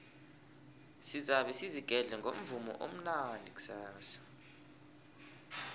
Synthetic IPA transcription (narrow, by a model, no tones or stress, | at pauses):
sizaɓɛsiziɡ̥ʱɛɮɛŋɡʱom̩vumɔ̰ʔom̩nanʱik̬ʼu̥saːsḁ